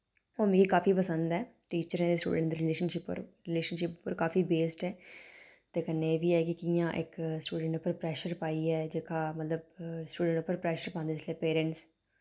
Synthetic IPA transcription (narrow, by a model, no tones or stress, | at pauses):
oːmẽːɡiːkaːfiːpəsə̃nd̪ɛː | ʈiːt͡ʃəɾɛ̃ːd̪eːsʈṵːɖə̃ɳʈd̪eːɾɪleːʃənʃɪpːo̰ɾɾɪleːʃənʃɪppəɾkaːfiːbeːsʈɛː | t̪eːkənːeʋiːɛːkɪkɪjãːʔɪ̰ksʈuːɖə̃ɳʈʊpːəɾpɾɛːʃəɾpaːiːɛːd͡ʒeːkaːmət̪ləbsʈuːɖə̃ɳʈʊpːəɾpɾɛːʃəɾpãːnd̪eɪsleːpeːɾə̃ɳʈs